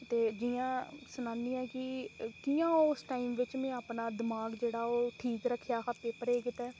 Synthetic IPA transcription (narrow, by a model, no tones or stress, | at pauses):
t̪eːd͡ʒijãːsʊnãːnd̪iːɛːkɪkijãːʊsʈaːiːmʋɪt͡ʃmɛ̃ːaːpɳaːd̪ɪmaːɡd͡ʒeːɽaːoːʈʰiːkɾəkʰːjaːɦaːt̪ːeːpəɾeːkɪt̪ɛː